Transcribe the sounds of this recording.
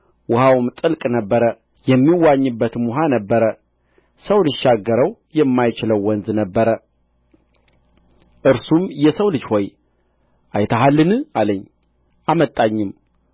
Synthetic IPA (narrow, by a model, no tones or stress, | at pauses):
wʊhawmt̪ʼɨlkʼnəbːəɾə | jɛmːiwaɲːɨbːət̪muɦanəbːəɾə | səwlɨʃːaɡːəɾəwjɛmːajt͡ʃɪləwːɔnznəbːəɾə | ʔɨɾsumjɛsəwlɨd͡ʒho̞j | ʔajt̪ʰəɦalːɨnɨaləɲː | ʔamət̪ʼaɲːɪm